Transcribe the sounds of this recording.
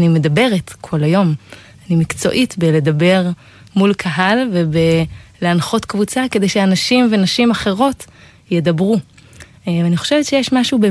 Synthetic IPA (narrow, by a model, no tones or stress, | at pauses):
nime̞d̪abe̞ʁetkʰo̞lajo̞m | animikt͡so̞̰ʔitbele̞d̪abe̞ʁ | mulkʰaɦalvebeleanχo̞tkvut͡sake̞de̞jʃeanaʃimvenaʃimaχe̞ʁo̞t | jedabʁu | aniχo̞ʃevetʃejeʃmaʃube